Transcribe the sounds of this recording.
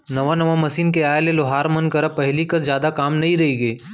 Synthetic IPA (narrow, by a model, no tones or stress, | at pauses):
nɐʋanɐʋamɐsiːnkeaːjleloɦaːɾmɐnkɐɾəpɐɦlikɐzjaːd̪akaːmnɐɦĩɾɐɦiɡeː